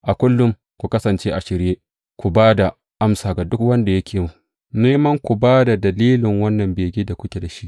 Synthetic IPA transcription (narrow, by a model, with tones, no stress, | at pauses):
ʔa˨kʷʊ˦lːʊ˦m | kʷu˨kɐ˦sɐ˨nt͡ʃeː˦ʔa˨ʃɪ˨ɾjeː˦ | kʷu˨baː˦da˨ | ʔa˦msaː˨ɡa˨dʊ˦kwɐ˦nda˨jɐ˦kʲʰeː˨mu˦˨ | neː˦mɐ˦ŋkʷu˨baː˦da˨dɐ˨liː˦lɪ˨ŋwɐ˦nːɐ˨mbeː˨ɡʲiː˦da˨kʷʊ˦kʲe˨da˨ʃi˦ʔ